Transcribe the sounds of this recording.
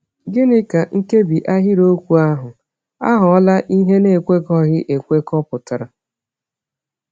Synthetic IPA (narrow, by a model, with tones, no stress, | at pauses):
ɡɪ˦nɪ˦ka˨ŋ̩˦ke˦bi˨ʔa˦ɦɪ˦ɾo˦kʷu˨a˦ɦʊ˨ | a̰˦ɦʊ˨ɔ˦la˦ʔi˦ɦe˦ne˦˨kʷe˦kɔ˦ɣɪ˦ʔe˨kʷe˦kɔ˦pʊ˨ta˨ɾa˨